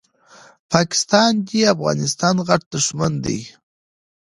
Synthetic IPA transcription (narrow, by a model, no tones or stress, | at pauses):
pʰɑkɪ̥st̪ɑnd̪iafɣɑ̰nɪst̪ɑnɣaʈ̚d̪əʂmand̪ə̰j